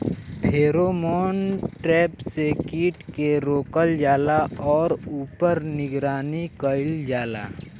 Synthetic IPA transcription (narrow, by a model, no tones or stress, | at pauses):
pʰeːɾomoːnʈɾɛːpsekiːʈkeɾoːkəld͡ʒaːlaɔːɾuːpəɾnɪɡɾaːnikəɪld͡ʒaːla̰ː